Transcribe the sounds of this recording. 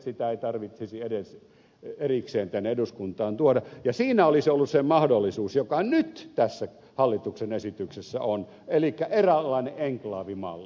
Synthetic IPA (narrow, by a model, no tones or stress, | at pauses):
sit̪æeit̪ɑrʋit̪sisieɾes | erikseːnt̪ænːeeduskunt̪ɑːnt̪uodɑjɑsiːnæolisolːussemɑhdolːisuːsjokɑnyt̪t̪æsːæ | hɑlːit̪uksenesit̪yksesːæ̰on | elikːæʔerælːɑˑineʔeŋklɑːʋimɑ̰lːi